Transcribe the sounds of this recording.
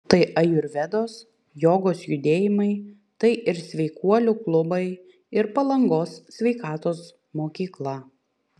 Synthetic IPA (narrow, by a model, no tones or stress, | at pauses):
t̪ɐɪʔɐjʊɾʲʋʲɛd̪oːs | joːɡoːsjʊd̪ʲeːjɪmɐɪ | t̪ɐɪʔɪɾsʲʋʲɛɪkuɔlʲʊklˠʊbɐɪ | ɪɾpɐlˠɐŋɡoːssʲʋʲɛɪkɑːt̪oːs | moːkʲiːklˠɐ